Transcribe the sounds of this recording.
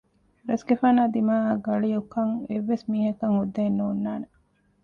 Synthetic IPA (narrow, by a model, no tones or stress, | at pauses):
ɾɐsɡefaːnaːd̪imaːɡɐɭijukɐŋeʋːesmiːɦɐkɐŋhud̪ːeːnːuːnːaːne